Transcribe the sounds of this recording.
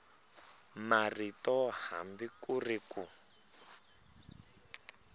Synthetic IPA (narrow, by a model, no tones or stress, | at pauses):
maritɔha̰mbikuriku